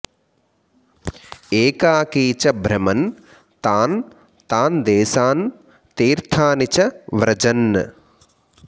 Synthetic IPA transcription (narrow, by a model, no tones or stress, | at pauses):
eːkaːkiːt͡ʃɐbʱɾɐmɐn | t̪aːn | t̪aːnd̪eːsaːn | t̪iːɾt̪ʰaːnit͡ʃɐʋɾɐd͡ʒɐn̰ː